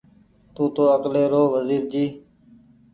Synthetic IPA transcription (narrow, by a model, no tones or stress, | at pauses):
t̪ũːt̪oːəkleːɾoːʋəziːɾd͡ʒiː